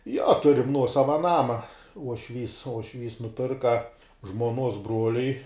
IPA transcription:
joː ˈtʊrʲɪm ˈnuɔsɐʋɐ ˈnɑːmɐ uɔʃʲˈʋʲiːs uɔʃʲˈʋʲiːs nʊˈpʲɪrkɐ ʒmuɔˈnuɔs ˈbruɔlʲʊɪ

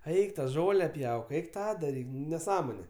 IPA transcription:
ˈɛɪk tɐ ˈʒoːlʲɛ ˈpʲjɛʊk ˈɛɪk ˈtɑː dɐˈrʲiːk nʲɛˈsɑːmoːnʲɛ

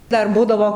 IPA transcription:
ˈdɐr ˈbuːdɐʋoː

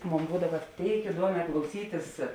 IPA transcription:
ˈmoːn ˈbuːdɐʋɐ ˈtʲeːɪk ɪˈduɔmʲɛː klˠɐʊˈsʲiːtʲɪs

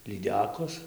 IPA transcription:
lʲiːˈdʲæːkoːs

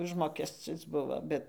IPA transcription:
ˈʊʒmoːkʲɛsʲt͡sʲɪs ˈbʊʋoː ˈbʲɛt

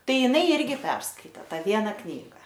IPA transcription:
ˈtɐɪ ɪˈnɐɪ ˈɪrʲɡʲɪ ˈpʲɛrskɐɪtʲeː ˈtɑː ˈʋʲiɛnɐ ˈknʲiːɡɐ

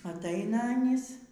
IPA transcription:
ɐtˈɐɪnɐ ɐˈnʲiːs

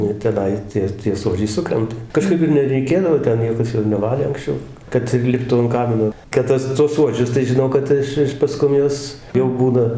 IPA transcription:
ˈnʊ ɪr tʲɛˈnɐɪ ˈtʲiɛ tʲiɛ ˈsuɔd͡ʒʲɛɪ ˈsʊkrʲɛntɐ kɐˈʃkɐɪp ɪr nʲɛrʲɛɪˈkʲeːdɐʋoː ˈtʲɛn ˈnʲiɛkɐs ɪr nʲɛˈʋɑːlʲeː ɐŋksʲˈt͡ʃʲɛʊ ˈkɐt ɪr ˈlʲɪptuː ɐn ˈkɑːmʲɪnoː kɐt ˈtɐs tuɔs ˈsuɔd͡ʒʲʊs tɐɪ ʒʲɪˈnɐʊ kɐt ˈɪʃ ˈɪʃ pɐˈskʊm ˈjuɔs jɛʊ ˈbuːnɐ

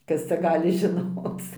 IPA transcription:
ˈkɐs t͡sʲɛ ˈɡɑːlʲɪ ʒʲɪˈnoːt͡s

